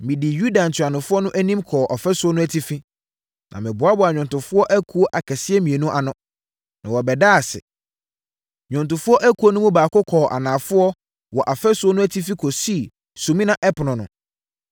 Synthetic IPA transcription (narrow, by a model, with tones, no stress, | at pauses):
mĩ˨di˨ju˦dã˨n̩˨tʰɥa˨nʊ̃˨fʊ˦ɔ˦nʊ̃˦ʔæ˦nĩ˦mkʰɔː˨ʔɔ˨fɛ˦sʊ˦ɔ˦nʊ̃˦æ˦tʰi˦fi˦ | nʔã̰˨mɪ̃˨bʊ˨a˦bʊ˨a˨ɲᶣʊ̃˨ntʊ̃˨fʊ˦ɔ˦ʔæ˦kʰu˦o˦ʔa˨kʰɛ˨sɪ˦ɛ˦mĩ˨e˨nũ˦ʔa˨nʊ̃˦ | nã˨wɔ˨bɛ˨daː˦a˨sɪ̰˨ | ɲᶣʊ̃˨ntʊ̃˨fʊ˦ɔ˦ʔæ˦kʰu˨˦o˦nʊ̃˦mũ˦baː˨kʊ˦kʰɔː˨ʔa̰˨nãː˨fʊ˦ɔ˦ | wɔ˨ʔa˨fɛ˦sʊ˦ɔ˦nʊ̃˦æ˦tʰi˦fi˦kʰɔ˨si˦˨ | su˨mĩ˦nã˨ʔɛ˦pʰnʊ̃˨nʊ̰̃˨